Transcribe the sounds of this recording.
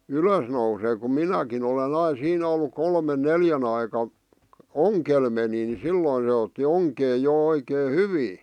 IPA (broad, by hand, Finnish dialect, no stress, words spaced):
yløs nouseː kum minækin olen ɑi siːn olːu kolmen neljæn ɑikɑ oŋkel meni ni silːoĭ ne otːi oŋkeː jo oikeː hyʋiː